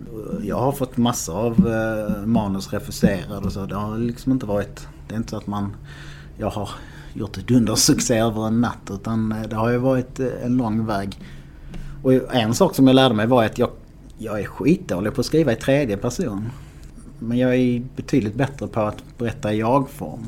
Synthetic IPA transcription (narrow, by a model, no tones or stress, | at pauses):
jɑ̰ːɡhaɾfɔt̪ːmasːaav | mɑːnɵsɾɛfɵseːɾad̪əɔsoːd̪ɛhaɾlɪksɔmɪnt̪əvɑːɾɪt̪ | d̪̥ɛɪɪnt̪ə̥sɔat̪man | jɑːɡhaɾ | jʊʈːɛt̪ɵnd̪əʂɵkseːøːvəɾɛnːat̪ːʉ̟ːt̪and̪ɛhaɾjɑvɑːɾɪt̪ɛ̰nlɔŋːvɛːɡ | ɔɛnsɑːksɔmjɑɡlæːɖəmɛjvɑɾjat̪jɑɡ | jɑɡæɾɧiːt̪̚d̪oːlɪɡpʰɔːskɾiːvaɪt̪ʰɾeːd̪jəpʰæʂuːn | mɛnjɑːɡæɾbɛt̪ʰyːd̪lɪt̪̚bɛt̪ɾəpʰɔat̪bɛɾɛt̪ːaɪjɑːɡfɔ̰ɾm